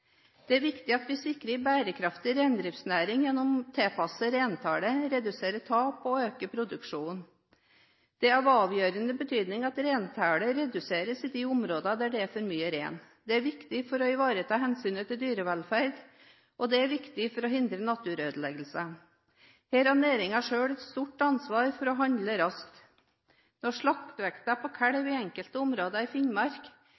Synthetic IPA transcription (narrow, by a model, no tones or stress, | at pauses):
d̪̥ɛæɾʋɪkt̪ɪɑt̪ʋɪsɪkːɾəbæːɾəkʰɾɑft̪ɪɾeːnd̪ɾɪːftsnæːɾɪŋjɛnːɔmt̪ʰeːpʰɑsəɾeːnt̪ʰæːɽəɾɛd̪ʉseːɾət̪ʰɑːpɔøːkəpʰɾʊd̪ʉkʂuːn | d̪̥ɛɑʋɑːʋjøːɾənəbət̪ʰyːd̪nɪŋɑt̪ɾeːnt̪ʰæːɽəɾɛd̪ʉseːɾəsɪd̪ɪʊmɾoːd̪ɑd̪æɖɛæfɔɾmyːəɾḛːn | d̪ɛæɾʋɪkt̪ɪfɔɾɔɪʋɑːɾət̪ʰɑːɦɛnsyːnət̪ʰɪld̪yːɾəʋɛlfæɾd̪ | ʔɔd̪ɛæɾʋɪkt̪ɪfɔɾɔɦɪnd̪ɾənɑt̪ʉːɾøːd̪əlɛɡl̩sə | heːɾɑneːɾɪŋɑʂøːɽɛt̪st̪uʈɑnsʋɑːɾfɔɾɔɦɑnd̪ləɾɑskt̪ | nɔʂɭɑkt̪ʋɛkt̪ɑpʰɔkʰæɽəʋɪɛŋkəlt̪əʊmɾoːd̪ɑɪfɪɲmɑɾk